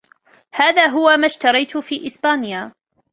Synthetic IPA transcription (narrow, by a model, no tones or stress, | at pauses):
haːðaːɦʊwamaːʃt̪ɑɾˤɑjt̪ʊfiːʔɪsbaːnjaː